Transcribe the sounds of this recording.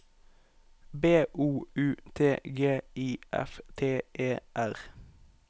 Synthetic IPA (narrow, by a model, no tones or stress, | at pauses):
beːʔuːʉːt̪ʰeːɡeːiːʔɛ̰ft̪ʰeːʔeːʔæʁ